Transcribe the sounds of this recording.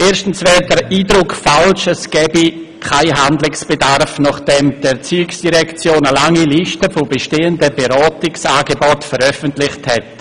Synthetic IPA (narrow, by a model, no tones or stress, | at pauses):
ʔeːɾʃtn̩svɛːɾdəɾiːdɾʊkfalʃɛsɡ̥ɛːbi | kʰaɪɦandlɪksb̥edarfnɔχd̥ɛmd̥ɛt͡syːksd̥iɾɛkt͡sjoːnəlaŋiliʃtəfʊbeʃteːəndəbeɾɔːtɪksaːɡebɔtfəɾœfəntlɪχthɛt